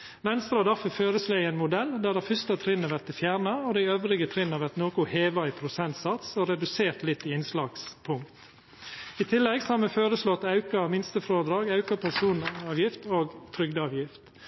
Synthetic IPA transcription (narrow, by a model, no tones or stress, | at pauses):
ʋɛnst̪ɾɑːd̪ɑfəføːɾəsloːɪɛɪnmʊd̪ɛld̪æːd̪ɛfʏst̪ɑt̪ʰɾɪnəʋæɾt̪ɪfjæːɾɳɑod̪æɪøːʋɾɪɡət̪ʰɾɪnɑʋæɾt̪noːkʊheːʋɑɪpʰɾʊsɛnt̪sɑt̪soɾɛd̪ʉseːɾt̪lɪt̪ːɪɪnslɑːɡspʰʊŋkt̪ | it̪ʰɪlːɛɡsɔhɑɾmɛføːɾəslɔt̪ːɑʉkɑmɪnst̪əfɾoːd̪ɾɑːɡɑʉkɑpʰæsuːnɑːʋjɪft̪oːɡt̪ʰɾʏɡd̪ɑːʋjɪft̪